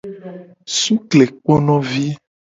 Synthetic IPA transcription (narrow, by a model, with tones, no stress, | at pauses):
su˦kle˨k͡pɔ˦nɔ̃˦vi˦